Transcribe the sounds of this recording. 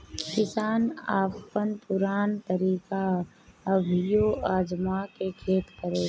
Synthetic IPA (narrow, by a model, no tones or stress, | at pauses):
kɪsaːnaːpːənpʊɾaːnt̪əɾiːka | əbʱɪjoːaːd͡ʒmakekʰeːt̪kəɾeː